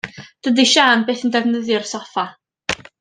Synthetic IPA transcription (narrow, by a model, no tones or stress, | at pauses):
d̥ədiʃaːnbeːθəndɛvnəðjʊrsɔfa